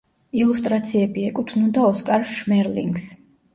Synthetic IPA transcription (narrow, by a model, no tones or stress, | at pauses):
ilust̪ʼɾat̪sʰiɛbiɛkʼut̪ʰnund̪aɔskʼaɾʃmɛɾlḭŋɡs